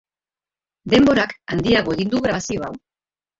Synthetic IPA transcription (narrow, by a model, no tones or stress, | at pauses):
d̪e̞mbo̞ɾakand̪iaɣ̞o̞e̞ɣind̪uɣɾaβasio̞aw